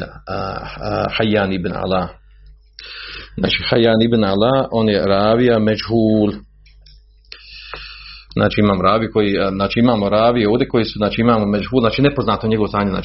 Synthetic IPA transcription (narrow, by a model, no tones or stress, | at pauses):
a̰ | hajːaːnibna̰laː | zna̰ːt͡ʃihajaːnibnalaːʔonjeɾaːʋijamed͡ʒɦuːl | zna̰ːt͡ʃiimaːmoɾaːʋijuko̞jiznaːt͡ʃiimaːmoɾaːʋijeoːd̪ʲe̞ko̞jisuzaːt͡ʃiimaːmomed͡ʒɦuːlˠzaːt͡ʃiːnepo̞znaːt̪noɲeɡo̞ʋosaːɲena̰ː